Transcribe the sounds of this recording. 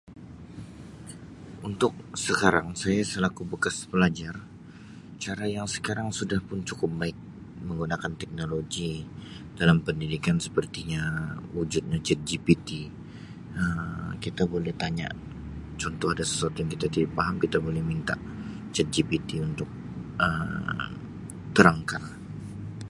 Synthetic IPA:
unt̪ʊk̚səkaɾaŋsajasəlakubəkaspəlad͡ʒar | t͡ʃaɾajaŋsə̥kaɾaŋsudahpʊnt͡ʃukʊp̚baɪk̚ | məŋɡunakant̪ɛk̚noloɡi | d̥alampəndidikansə̥pərt̪iɲawud͡ʒʊt̪̚ɲad͡ʒət̪̚d͡ʒipit̪i | əmkit̪abolɛht̪aɲa̰ | t͡ʃɔnt̪ɔhadasə̥suat̪ujaŋkit̪at̪idapaɦamkit̪abolɛhmint̪a̰ʔ | d͡ʒət̪̚d͡ʒipit̪iunt̪ʊk̚ | ʔə | t̪əɾaŋkan

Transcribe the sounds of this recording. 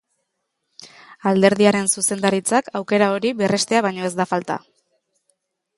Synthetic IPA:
ald̪e̞ɾðiaɾe̞nsuse̞nd̪aɾit͡sakawke̞ɾao̞ɾiβere̞st̪e̞aβ̞ajɲo̞e̞zd̪afalt̪a̰

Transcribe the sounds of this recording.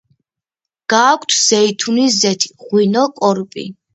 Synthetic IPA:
ɡ̥aːkʷʰt̪ʰz̥ɛit̪ʰunizɛt̪ʰi̥ʁwinɔkʼɔɾpʼḭ

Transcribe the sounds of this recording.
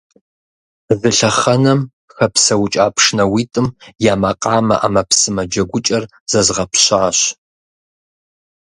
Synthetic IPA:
zɨɬɐχɐnɐm | xɐpsɐwt͡ʃʼaːpʰʂnɐwiːtʼɨmjaːmɐqʼɑːmɐ̰ʔa̰mɐpsɨmɐd͡ʒɐɡʷʊt͡ʃʼɐr | z̥ɐzʁɐpʰɕaːɕ

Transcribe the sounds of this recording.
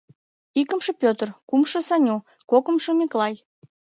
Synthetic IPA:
ikəmʃə̆pʲøt̪ərkumʃə̆sɑnʲu | kokə̆mʃə̆mʲiklɑj

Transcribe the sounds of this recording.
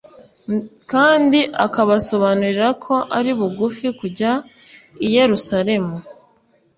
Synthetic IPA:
kaːndiʔakaβaso̞βanuɾiɾakʰo̞ʔaɾiβuɡufikuɟa | ije̞ɾusaɾe̞mu

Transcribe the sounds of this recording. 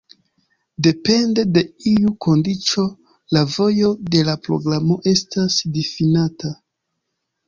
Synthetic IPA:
de̞pe̞nde̞de̞iuko̞ndit͡ʃo̞ | lavo̞jo̞de̞lapɾo̞̰ɡɾamo̞ʔe̞stasdifinata

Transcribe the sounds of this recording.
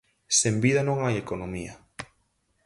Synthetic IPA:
sembiðanõŋajekonomiɐ

